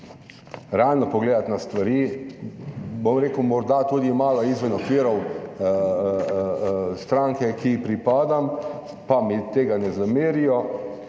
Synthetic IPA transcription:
ɾɛaːlnɔpɔɡleːd̪at̪nast̪ʋaɾiː | bomɾeːkəwmɔɾd̪at̪uːd̪imaːlaizʋɛnɔkʋiːɾɔw | st̪ɾaŋkɛkipɾipaːd̪am | pamit̪eːɡanɛzameːɾijɔ

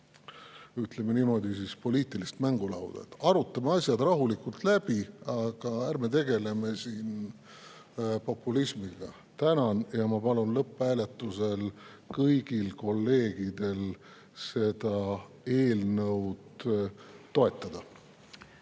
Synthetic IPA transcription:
yt̪le̞menimo̞d̪̥isiːspo̞liːt̪ˑilist̪mæŋɡ̥ulɑ̰wd̪̥ɑ̰et̪ːɑɾut̪ˑːɑmeɑsʲjɑd̪̥rɑɦulikult̪læb̥iɑɡ̥ɑærmet̪e̞ɡe̞le̞me̞siːn | po̞pːˑulisʲmiɡ̥ɑ | t̪ænɑnjɑmɑpɑlunlɤpˑːæːle̞t̪ːˑuse̞l | kɤjɡ̥ilko̞lːe̞ːɡ̥id̪̥e̞l | se̞d̪̥ɑ | e̞ːlnɤwd̪̥ː | o̞e̞t̪ˑːɑd̪̥ɑ

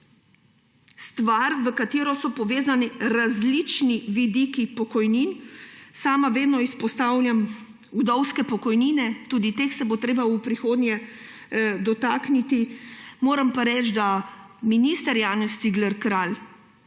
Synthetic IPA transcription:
st̪ʋaɾʋəkat̪iːɾɔsɔpɔʋeːzaniɾazlit͡ʃniʋid̪ikipɔkɔjninsaːmaʋeːd̪nɔispɔst̪aːwljam | ud̪ɔwskɛpɔkɔjniːnɛt̪uːd̪it̪eːxsɛbot̪ɾeːbaupɾixoːd̪njɛ | d̪ɔt̪aːknit̪imoːɾampaɾɛːt͡ʃd̪aminiːst̪əɾjaːnɛst̪siɡlɛɾkɾaːl

